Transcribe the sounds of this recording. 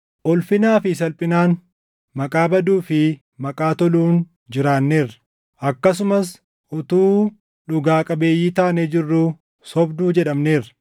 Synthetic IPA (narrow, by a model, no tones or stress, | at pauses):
ʔɔlfɪnaːfɪs̬ɐlpʼɪnaːn | mɐkʼaːbɐd̪uːfɪ | mɐkʼaːt̪ɔluːn | d͡ʒɪɾaːnːeːrɐ̥ | ʔɐkːɐs̬ʊmɐs | ʔɔt̪uː | ᶑʊɡaːkʼɐbe̞ːjːiːt̪aːnɛd͡ʒɪrːuː | sɔbd̪uːd͡ʒɛᶑɐmne̞ːrɐ̥